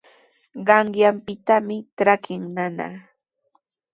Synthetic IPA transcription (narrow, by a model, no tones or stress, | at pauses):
ɢɑɴjampɪt̪amɪʈ͡ʂɾakɪŋnana̰